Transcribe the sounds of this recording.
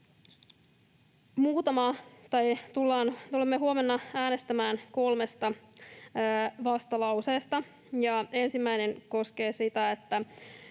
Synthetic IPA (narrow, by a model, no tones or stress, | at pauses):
muːt̪ɑmɑt̪ɑjt̪ulːɑːnt̪ulemːeɦuomenːɑæːnest̪æmæːnko̞lme̞st̪ɑ | ʋɑst̪ɑlɑuse̞ːst̪ɑ | jɑe̞nsimːæjneŋko̞ske̞ːsit̪æet̪ːæ